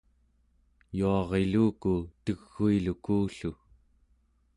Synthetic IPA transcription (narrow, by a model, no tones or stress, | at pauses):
juɑʁe̞luːkut̪əɣːuilukuːɬu